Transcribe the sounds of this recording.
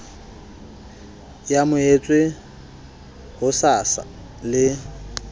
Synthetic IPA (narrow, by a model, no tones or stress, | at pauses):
jamʊet͡sʼwe | hʊsasa̰ | lɪ